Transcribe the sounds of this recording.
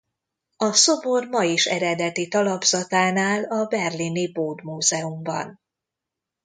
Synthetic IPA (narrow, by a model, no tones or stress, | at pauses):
ɒso̞bo̞rmɒjiʃɛ̰ɾɛd̪ɛt̪it̪ɒlɒbzɒt̪aːnaːlɒbɛrliniboːd̪muːzɛumbɒ̰n